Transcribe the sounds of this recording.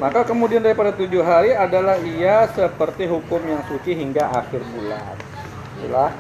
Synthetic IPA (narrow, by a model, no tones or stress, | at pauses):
makakəmudiandaɾipadat̪ud͡ʒʊɦaɾiadalahiasəpərt̪iɦukʊmjaŋsut͡ʃiɦiŋɡaʔaxɪrbula̰n | tḭlah